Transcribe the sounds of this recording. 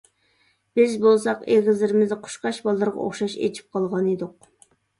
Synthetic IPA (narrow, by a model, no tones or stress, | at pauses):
b̥ɪzbolˠsɑqeʁʲɪzlɪɾɪmɪzqʰʊ̥ʃqɑʃbɑlˠːɨɾʁɑ̰o̰χʃɑʃḛt͡ʃʰi̥p̚qʰɑlˠʁɑned̪ʊq̚